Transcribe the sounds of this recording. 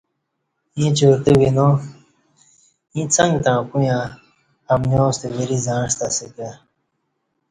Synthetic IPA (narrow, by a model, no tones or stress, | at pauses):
ĩt͡ɕoːɾt̪ewino | ĩːt͡sɐ̃ŋɡt̪ãːkujã | ɐmnjõːst̪eweɾizãːʂt̪aseka